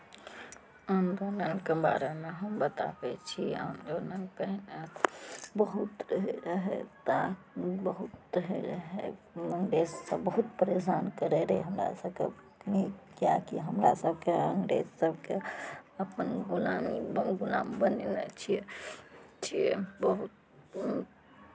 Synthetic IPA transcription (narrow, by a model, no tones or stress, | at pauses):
ənd̪onənkeba̰ɾemeɦəmbət̪a̰bɛt͡ʃʰiə̰nd̪onənpəɦne | bəɦut̪ɾəɦeɾəɦḛt̪a | bəɦut̪ːəɦeɾəɦe | əŋɡɾezsəbbəɦut̪̚pəɾesankəɾeɾeɦəmɾa̰səbke | nikjakiɦəmɾa̰səbʱkeəŋɡɾezsəbʱkeəpənɡulamiɡula̰mbənenɛt͡ʃʰiɛ | t͡ʃʰiɛbəɦut̪̚